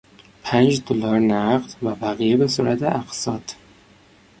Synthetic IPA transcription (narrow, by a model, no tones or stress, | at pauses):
pʰænd͡ʒd̪olɒːɾnæɢd̪væbæɣijebe̞suɾæt̪ʰeʔæqsɒːd̪̥